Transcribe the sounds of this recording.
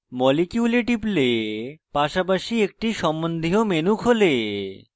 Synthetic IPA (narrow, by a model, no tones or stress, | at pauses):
mɔlekjuleʈiplepaʃapaʃiek̚ʈiʃɔmbond̪ʱiɦomenukʰole